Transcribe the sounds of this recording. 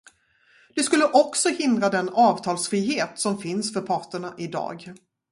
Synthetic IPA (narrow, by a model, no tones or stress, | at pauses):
d̪̥ɵskɵlːəʔɔksɔhɪnd̪ɾad̪ɛnɑːvt̪ʰɑːlsfɾiːɦeːt̪sɔmfɪnsfœɾpʰɑːʈəɳaʔɪd̪ɑ̰ːɡ